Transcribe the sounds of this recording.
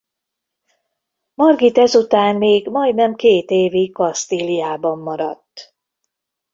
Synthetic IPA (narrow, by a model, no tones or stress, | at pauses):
mɒrɡit̪ɛzut̪aːnːeːɡmɒjd̪nɛmkeːt̪eːvikɒst̪iliaːbɒmːɒɾɒt̪ː